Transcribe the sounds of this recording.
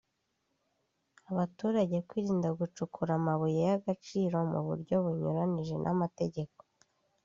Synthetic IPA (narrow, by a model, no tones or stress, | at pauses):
aβatuːɾaɟe̞kwiːɾiːndaɡut͡ʃukʰuɾamaβujejaɡat͡ʃiːɾo̞mṵβṵɾɟo̞βuɲṵɾaniʒe̞̰nʔa̰mate̞ɟe̞ko̞̥